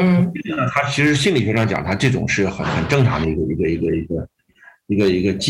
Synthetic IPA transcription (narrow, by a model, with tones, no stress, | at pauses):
n̩˥˩i˥˩ɻ̩˥˩nə˩t̪ʰa˥t͡ɕʰi˧˥ʂɻ̩˧˥ɕi˥˩nli˨˩ɛ˧˥ʂɑ˥˩ŋt͡ɕjɑ̰˨˩ŋət̪ʰa˥ʈ͡ʂɤ˥˩ʈ͡ʂʊ̰˨˩ŋʂɻ̩˥˩xə̰˨˩nxə˨˩nʈ͡ʂɤ˥˩ŋʈ͡ʂʰɑ˧˥ŋd̪ə˧˩i˧˥ɡə˧i˧˥ɡə˧i˧˥ɡə˧i˧˥ɡə˧ | i˧˥ɡə˧i˧˥ɡə˧t͡ɕ